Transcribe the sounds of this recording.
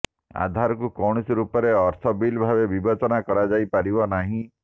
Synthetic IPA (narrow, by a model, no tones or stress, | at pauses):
a̰d̪ʱaɾɔkukɔɽ̃isɾupɔɾeɔɾt̪ʰɔbilbʱabebibɔt͡ʃɔnakɔɾad͡ʒajpaɾibɔnaɦĩ